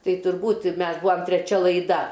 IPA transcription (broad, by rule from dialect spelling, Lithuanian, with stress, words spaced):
ˈtɐɪ tʊrˈbuːt ˈmʲɛs ˈbʊɐm tʲrʲɛˈt͡ʃʲɛ lˠɐɪˈdɐ